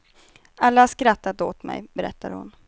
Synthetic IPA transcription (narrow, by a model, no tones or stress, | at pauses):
alːahaʂkɾat̪ːat̪oːt̪mɛ̰jbɛɾɛ̰t̪ːaɾhʊ̰n